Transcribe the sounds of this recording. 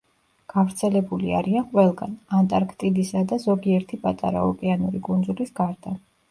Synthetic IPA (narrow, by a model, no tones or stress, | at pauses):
ɡ̥avɾt̪sʰɛlɛbulia̰ɾianqʼwɛlˠɡanant̪ʼaɾkʰt̪ʼid̪isad̪azɔɡiɛɾt̪ʰipʼat̪ʼa̰ɾa̰ɔkʼɛanuɾikʼund̪zulisɡ̥aɾd̪̥a